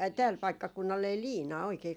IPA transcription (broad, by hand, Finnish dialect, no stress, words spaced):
ɑi tæːl pɑikːɑkunːɑl ei liːnɑː oikei